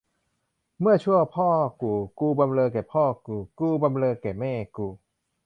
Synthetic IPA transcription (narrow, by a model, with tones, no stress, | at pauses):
mɯ˥˩ɐt͡ɕʰu˥˩ɐəpʰɔː˥˩kuː˧˩kuː˧ba˧mlɤː˧keː˨˩pʰɔː˥˩kuː˧˩kuː˧ba˧mlɤː˧kɛː˨˩mɛː˥˩kuː˧˩